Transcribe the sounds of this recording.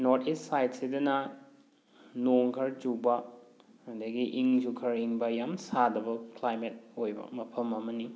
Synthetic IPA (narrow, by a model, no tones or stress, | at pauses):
noɾtʰistsajt̚sidɐnɐ | noŋkʰɐɾd͡ʒubɐ | ɐdɐɡiʔiŋd͡ʒukʰɐɾiŋbɐjamsadɐbɐklajmet̚ojbɐ̰mɐpʰɐmɐmɐni